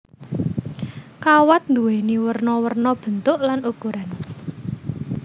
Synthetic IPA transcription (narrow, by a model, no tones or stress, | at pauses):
kawat̪̚nd̪uwɛniwərnɔwərnɔb̥ə̤nt̪ʊʔlanukuɾan